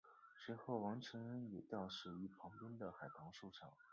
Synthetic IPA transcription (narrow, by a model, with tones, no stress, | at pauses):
ʂwe˧˥xo˥˩ʊwɑ˧˥ŋʈ͡ʂʰɤ˧˥ŋɻə˥njɛ˨˩t̪jɑ˥˧ʊʂɻ̩˥˩y˧˥pʰɑ˧˥ŋt̪wə˥nd̪ə˨xa˨˩ɪp̪ʰɑ˧˥ŋʂu˥˩ʈ͡ʂʰɑ˨˩˦ŋ